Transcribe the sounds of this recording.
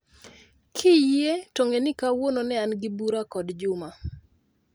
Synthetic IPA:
kʰɪjetoŋɡenɪkawononɛanɡɪbuɾakɔdd͡ʒʊma

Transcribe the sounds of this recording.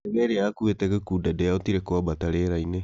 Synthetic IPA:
eβeɾeakuetɛkekudadɛjaotiɾekoabataɾeɾaine

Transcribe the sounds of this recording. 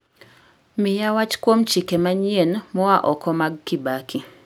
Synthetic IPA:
mɪjawat͡ʃkwomt͡ʃikemaɲjenmɔwaʔɔkɔmaɡ̚kibakʰi

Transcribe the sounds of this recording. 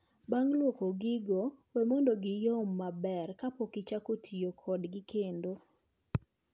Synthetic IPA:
baŋlwokoɡɪɡowɛmondoɡɪjomːabɛrkapokɪt͡ʃakotʰijokʰɔdɡɪkʰendo

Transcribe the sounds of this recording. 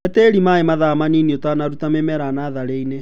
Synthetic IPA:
ɛtɛɾimaemaðamaniniotanaɾutamemɛɾanaːðaɾeine

